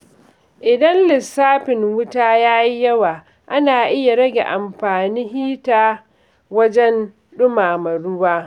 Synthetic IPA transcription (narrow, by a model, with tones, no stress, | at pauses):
ʔɪ˨dɐ˦nlɪ˨sːaː˦ɸɪ˨ŋwʊ˦taː˦jaː˦ji˦jɐ˦waː˨ | ʔa˦naː˨ʔɪ˦ja˨ɽɐ˦ɡʲḛ˨ʔa˨mɸaː˨niː˦ɦiː˦taː˨ | wɐ˦d͡ʒɛ˦n | ɗʊ˦maː˨mɐ˨ɽʊ˦waː˦